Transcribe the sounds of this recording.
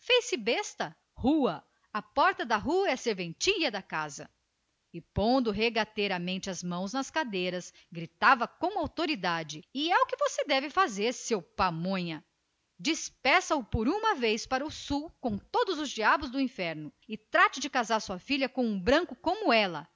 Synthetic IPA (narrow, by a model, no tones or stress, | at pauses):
fejsɪbest̪ɐ | huɐ | ɐpɔɾt̪ɐd̪ɐɦuɐɛseɾvẽnt͡ʃiʎɐd̪ɐkazɐ̰ | ɪpõnd̪ʊɦeɡat̪eɾamẽnt͡ʃɪɐzmɐ̃w̃znɐskad̪ejɾɐs | ɡɾit̪avɐkõw̃awt̪oɾid̪ad͡ʒɪɪɛʊkɪvosed̪ɛvɪfazeɾsewpamõɲɐ | d͡ʒispɛ̃sɐʊpoɾũmɐvejspaɾɐʊsuwkõw̃t̪od̪ʊzʊzd͡ʒiabʊzd̪ʊĩfɛɾnʊɪt̪ɾat͡ʃɪd͡ʒɪkazaɾsuɐfiʎɐkõw̃ũbɾɐ̃ŋkʊkõmʊɛlɐ